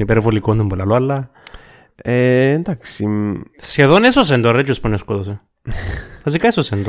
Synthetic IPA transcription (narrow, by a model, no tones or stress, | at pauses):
nipeɾofolikond̪ombolalwala | end̪aksimsjaðonesos̬end̪oret͡ʃosponeskoðos̬e | as̬ikaesosend̪o